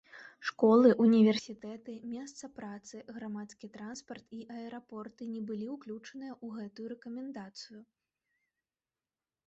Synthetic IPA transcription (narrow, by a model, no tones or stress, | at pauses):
ʂkɔlˠɨʔunʲivʲɛrsʲit̪ɛt̪ɨmʲɛs̬t̪sɐpɾat̪sɨɣɾamat̪skʲit̪ɾanspɐrt̪iʔɐɛɾapɔrt̪ɨnʲɛbɨlʲiwklʲut͡ʂɐnɨjɐʔuɣɛt̪ujuɾɛkɐmʲɛnd̪at̪sɨju